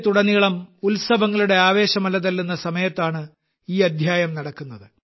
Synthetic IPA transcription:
t̪uɽɐnːiɭɐmulsɐbɐŋːɐɭuɽe̞aːʋe̞ːɕɐmɐlɐðɐlːunːɐsɐmɐjɐt̪ːaːɳɨ | iːɐd̪ʱjaːjɐmnɐɽɐkːunːɐðɨ

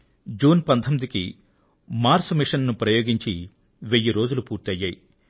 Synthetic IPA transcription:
d͡ʒuːnpɐnt̪ʰɐmid̪iki | maːɾsmiʂɐnnupɾɐjoːɡiɲt͡ʃi | ʋejːiɾo̞ːd͡ʒulupuːɾt̪ɐjːaːji

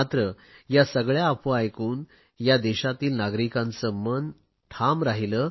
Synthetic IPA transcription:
at̪ɾə | jasəɡɭjaːpoajkuːn | jad̪ɛɕat̪iːlnaɡɾikãnt͡səmən | ʈʰamɾaɦilə

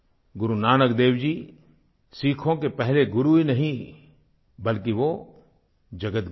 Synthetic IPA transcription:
ɡʊɾunaːnəkd̪eːʋd͡ʒiː | siːkʰõkepɛɦleɡʊɾuinɐɦĩ | bɐlkiʋo | d͡ʒɐɡət̪

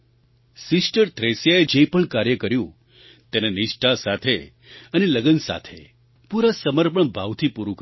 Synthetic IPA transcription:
sɪsʈəɾt̪ɾesjaed͡ʒepəɳkaɾjəkəɾjũ | t̪enenɪʃʈʰasat̪ʰe | əneləɡənsa̰t̪ʰe | puɾasəməɾpəɳbʱaʋt̪ʰipuɾũk

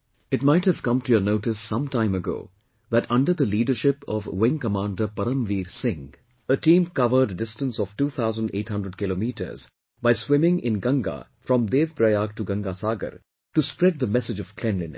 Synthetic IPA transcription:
ɪʈ̚maɪʈhɨv̥kʌ̃mʈujənoːʈɪsːʌ̃mtãɪ̃məɡo̰ː | ðæʈʰʌ̃ɳɖəɾd̪əliːɖəʃɪpɔ̰ʋwɪ̃ŋkəmãːnɖəpʌɾə̃mʋiːɾsɪ̃ŋ | əʈĩːmkʌʋəɾɖːɪstə̃nsɔʋ̥ʈuːt̪ʰaʊzə̃nɖḛːʈhʌ̃ndɾəɖ̚kɪloːmiːʈə̰ɾz̥ | baɪswɪ̃mɪ̃ŋɪ̰̃nɡʌ̃ŋɡa̰fɾɔ̃md̪eːʋpɾajaːɡ̚ʈuɡʌ̃ŋɡasaːɡə̰ɾ | ʈuspɾɛd̪̚d̪əmɛsɪd͡ʒɔv̥kʰlɛ̃nlɪ̃n

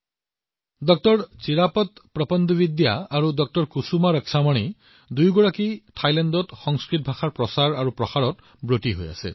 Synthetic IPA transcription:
dɔk̚tɔɹt͡siɹapɔt̪pɾɔpɔnd̪ubid̪jaːɾudɔk̚tɔɹkusumaɾəksʰamɔɽ̃i | d̪ujɡɔɹakiʈʰajlandɔtxɔŋskɹit̚bʱaxaɹpɹɔsaɹaɹupɹɔxaɹɔt | bɹotiɦo̰ja̰sḛ

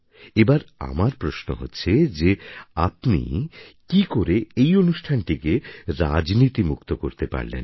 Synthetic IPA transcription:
ebaɾa̰maɾpɾoʃno̰ɦotːɕʰed͡ʑeapnḭkikoɾeejonuʃʈʰanʈikeɾad͡ʑnit̪imukt̪okoɾt̪epa̰ɾlḛn

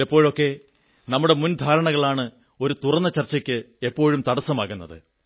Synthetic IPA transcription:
ɐpːo̞ːɻo̞kːe̞ | nɐmːuɽe̞mund̪ʱaːɾɐɳɐɣɐɭaːɳɨ | o̞ɾut̪urɐnːɐt͡ɕɐrt͡ɕːɐkʲːɨ | e̞pːo̞ːɻumt̪ɐɽɐsːɐmaːɣunːɐðɨ̰

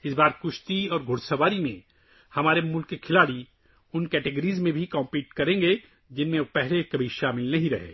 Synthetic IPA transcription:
ɪsbaːɾkʊʃt̪iɔːɾɡʱʊɽsɐbaːɾimẽ | hɐmaːɾemʊlkːekʰɪlaːɽi | ʊnkɛːʈeɡəɾiːzmẽbʱikɔ̃ːmpiːʈkɐɾẽːŋɡe | d͡ʒɪnmẽpɛɦlekɐbʱiʃaːmɪlnɐɦĩɾɐɦḛː

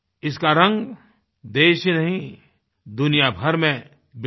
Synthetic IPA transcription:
ɪskaɾɐ̃ŋɡ | d̪eːʃinɐɦĩ | d̪ʊnijabʱɐɾmẽ | b

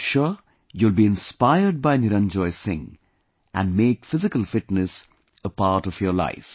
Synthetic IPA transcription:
ʃɔ | julbiːɪ̃nspaɪəɾɖ̚baɪnɪɾə̃nd͡ʒɔɪsɪ̰̃ŋ | ʔæ̰̃nɖmeːkfɪzɪkəlfɪʈnəs | əpaːɾʈɔfjɔla̰ɪf

